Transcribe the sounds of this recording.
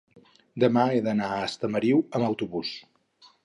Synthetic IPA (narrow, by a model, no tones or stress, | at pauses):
d̪əmaeðənaəst̪əməɾiwəməwt̪uβus